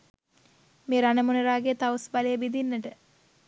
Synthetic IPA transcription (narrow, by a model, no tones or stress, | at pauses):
meːɾanəmuneɾaːɡet̪awsbaləjəbid̪inːəʈə